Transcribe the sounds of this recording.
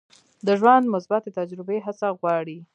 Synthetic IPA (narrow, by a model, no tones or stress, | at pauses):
d̪əʒwand̪mʊsbat̪et̪ad͡ʒɾɪbeɦasaɣwɑɽi